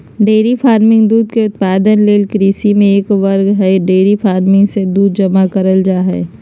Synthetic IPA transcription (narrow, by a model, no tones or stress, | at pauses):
ɖeːɾifʰaːɾmɪ̃ŋɡd̪uːd̪keʊt̪paːd̪ənleːlkɾiːsimẽeːkʋɐɾɡɦɛɖeːɾifʰaːɾmɪ̃ŋɡsed̪uːd̪̚d͡ʒɐmakɐɾəld͡ʒaːɦɛ̰ː